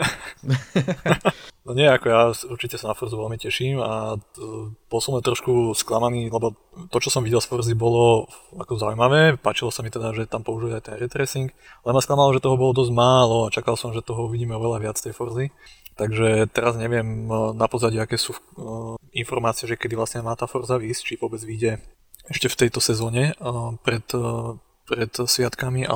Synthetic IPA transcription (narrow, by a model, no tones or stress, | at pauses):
nɔɲɪɛakɔjaːuɾt͡ʃicɛsanafɔrzuʋɛlmicɛʃiːma | b̥ɔlˠsɔmɛt̪ɾɔʃkusklamaniːlɛbɔ | t̪ɔt͡ʃɔsɔmʋiɟɛlˠsfɔrzibɔlɔakɔzaujmaʋɛːpat͡ʃilɔsamit̪ɛd̪aʒɛt̪ampɔuʒijɛajt̪ɛnɾɛt̪ɾɛsiŋk | alɛmasklˠamalɔʒɛt̪ɔɦɔbɔlɔd̪ɔzɟmaːlɔat͡ʃakalsɔmʒɛt̪ɔɦɔuʋiɟiːmɛɔʋɛlaʋɪat͡st̪ɛjfɔɾzit̪aɡʒɛt̪ɛɾazɲɛʋɪɛmnapɔzaɟiakɛːsuː | infɔɾmaːt͡siɛʒɛkɛd̪iʋlasɲɛmaːt̪aːfɔɾzaʋiːst͡ʃiʋɔbɛd͡zʋiɟɛ | ɛʃcɛft̪ɛjt̪ɔsɛzɔːɲɛpɾɛt̪ | pɾɛt̪sʋɪat̪kamiʔa̰